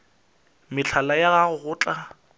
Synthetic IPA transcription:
mɪt͡ɬʰalajaɣaɣʊɣʊːt͡ɬʼa

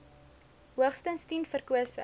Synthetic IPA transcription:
ɦuəχstənstinfərkuəsə̰

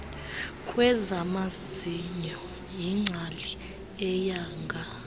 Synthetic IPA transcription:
kʼʰwɛzamasd͡zʱiɲɔ | jiŋ͡ǀʱali | ɛjaːŋɡʱa

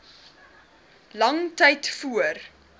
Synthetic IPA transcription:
lɐŋtɛjtfuər

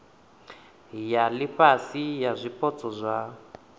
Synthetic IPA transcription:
jaliɸasijazʷipɔt͡sʼɔzʷa

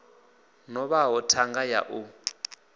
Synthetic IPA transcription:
nɔβaɦɔtʰaŋɡaja̰ʔu

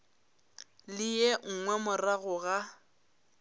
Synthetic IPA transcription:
lɪjɛŋ̩ŋwɛmʊraɣʊɣa

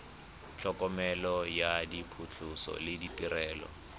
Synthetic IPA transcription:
t͡ɬʰɔkʼɔmɛlɔjadipʰʊt͡ɬʰʊsɔ̰lɪditiɾɛːlɔ̰

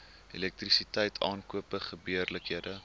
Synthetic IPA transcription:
ḛlɛk̚trisitɛjtʰɑ̰ːnkuəpəχəbiərləkɦiədə

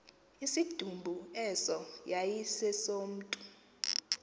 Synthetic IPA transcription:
isid̥ʱumbʱuɛsɔjajisɛsom̩ːtʼu

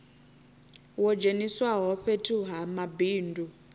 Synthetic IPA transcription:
wɔd͡ʒeniswaɦɔɸetʰʼuɦamabiːndu

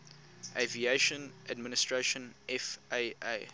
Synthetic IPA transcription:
ʔevieʃə̃nʔadmɪnɪstɹeʃə̃nʔɛfeɪe

